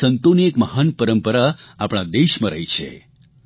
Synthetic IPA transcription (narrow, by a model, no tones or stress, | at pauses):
ənt̪oniekməɦanpəɾəmpəɾaapɽ̃ad̪eʃmãɾəjt͡ʃʰḛ